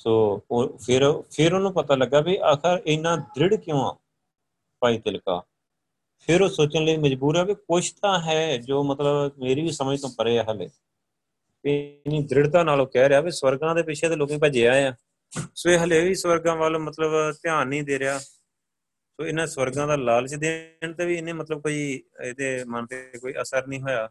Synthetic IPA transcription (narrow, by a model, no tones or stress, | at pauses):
soːpʰɪɾpʰɪɾʊnːũːpət̪aːləɡːaːbiːʔaːkʰəɾɪnːãːd̪ɾɪɽkɪjõːã̰ː | paːiːt̪ɪlka̰ː | pʰɪɾoːsoːt͡ʃənləiːməd͡ʒbuːɾɛːbiːkʊʃʰt̪ãːɦɛːd͡ʒoːmət̪ləbmeːɾiːʋiːsəməjt̪õːpəɾeːɛːɦəlḛː | ɪnĩːd̪ɾɪɽt̪aːnaːloːkɛːɾejaːbiːswəɾɡãːd̪eːpɪt͡ʃʰẽːd̪eːloːkẽːpəd͡ʒeːaːãː | soːeːɦəleːʋiːswəɾɡãːʋaːlõːmət̪ləbt̪ɪaːnːĩːd̪eːɾɪjaː | soːɪnãːswəɾɡãːd̪aːlaːlt͡ʃd̪eːɳt̪eːʋiːɪnẽːmət̪ləb̚koːiːed̪eːmənt̪ekoːiːʔəsəɾnĩːɦoːjaː